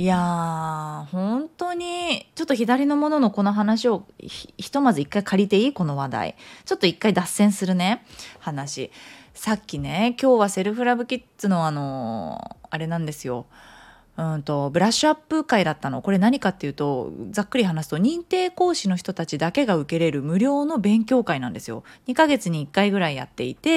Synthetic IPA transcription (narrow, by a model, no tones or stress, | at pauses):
ija | hõ̞nt̪o̞ɲ̟it͡ɕo̞t̪ːo̞çʲid̪aɾʲino̞mo̞no̞no̞ko̞no̞ɦanaɕio̞ççi̥t̪o̞mazɨikːaikʰaɾʲit̪e̞iːko̞no̞βad̪a̰ḭt͡ɕo̞t̪ːo̞ikːaid̪asẽ̞ɰ̃sɨɾɯ̟ne̞hanaɕisakʲːine̞kʲo̞ːβase̞ɾɯ̟ɸɯ̟ɾabɯ̟kʲit̪ːɨno̞aːno̞̰ | aɾe̞nãnd̪e̞sɨjo̞̰ | ɯ̟̃nt̪o̞bɯ̟ɾaɕɨapːɯ̟kaid̪at̪ːano̞ko̞ɾe̞naɲ̟ikat̪ːe̞jɯ̟ːt̪o̞d͡zakːɯ̟ɾʲiɦanasɨ̥t̪o̞ɲ̟ĩnt̪e̞ːko̞ːɕino̞çi̥t̪o̞t̪at͡ɕid̪ake̞ɡaɯ̟ke̞ɾe̞ɾɯ̟mɯ̟ɾʲo̞ːno̞bẽ̞ŋkʲo̞ːkainã̰nd̪esɨjo̞̰ɲ̟ikaɡe̞t͡sɨɲ̟iːkːaiɡɯ̟ɾaija̰t̪ːe̞ḭt̪e̞